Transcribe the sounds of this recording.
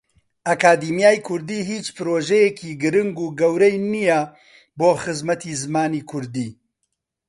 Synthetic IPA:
ʔɐkaːd̪iːmijaːjkʰʊɾd̪iːɦiːt͡ʃpɨɾoːʒɛjekʰiːɡɨɾɨŋɡuːɡɐwɾɛjnijɐ | boːxɨzmɐt̪iːzmaːniːkʰʊɾd̪iː

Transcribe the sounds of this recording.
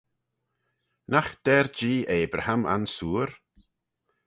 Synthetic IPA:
naxd̪̥ɛɾd͡ʒiːʔeːbɾahama̰nsuːɾ

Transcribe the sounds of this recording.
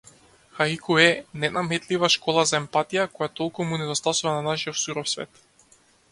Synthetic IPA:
xaikʰuɛnɛnamɛt̪livaʃkɔlˠazaɛmpat̪ijakɔjat̪ɔlˠkumunɛd̪ɔst̪asuvananaʃijɔfsuɾɔfsvɛ̰t̪

